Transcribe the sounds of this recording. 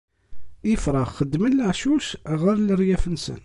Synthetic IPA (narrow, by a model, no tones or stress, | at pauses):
ɪfɾˤɑχːəd̪ːmənːəʕʃuʃʁəɾləɾjæfənsə̰n